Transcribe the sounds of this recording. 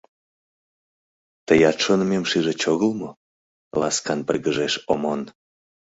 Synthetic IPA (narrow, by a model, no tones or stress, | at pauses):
t̪əjɑt̪ʃonəmemʃiʒet͡ɕoɣəlmo | lɑ̰skɑnpəlɣəʒeʃomon